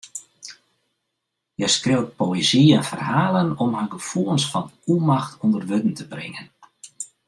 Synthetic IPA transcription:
jɛjskrewt̚poeziɛnfərhaːlˠənɔmɦaɡəfuəlˠsfɔnumaxtʰɔndərʋøtn̩təbrɪ̰ŋən

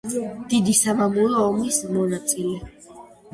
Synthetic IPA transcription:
d̪̥id̪isamamuɾɔːmismɔnat̪sʼilɛ

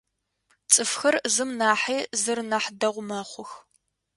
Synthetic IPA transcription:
t͡sʼɨfxɐrzɨmnaːħiːzɨrnɐħdɐʁʷʊmaːχʷʊx

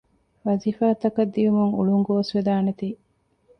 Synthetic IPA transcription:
ʋɐziːfaːt̪ɐkɐd̪ːijumuŋuɭuŋɡoʋɐsʋed̪aːnet̪iː

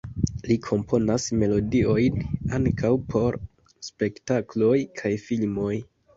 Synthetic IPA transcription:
likʰo̞mpʰo̞nasme̞lo̞dio̞jnaŋkawpʰo̞ɾ | spe̞ktaklo̞jkʰajfilmo̞j

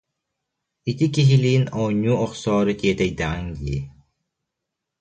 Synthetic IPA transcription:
it̪ikiɦiliːnɔːɲːuɔχsɔːɾɯk̪iɛt̪ɛjd̪aŋɡlḭ

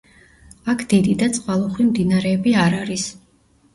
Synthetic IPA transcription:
akʰd̪̥id̪id̪at̪sʼqʼwalˠuχwimd̪inaɾɛːbiaɾaɾis

